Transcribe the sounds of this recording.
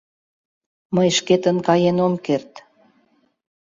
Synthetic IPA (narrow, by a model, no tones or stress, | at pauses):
məjʃket̪ə̆nkɑjenomkert̪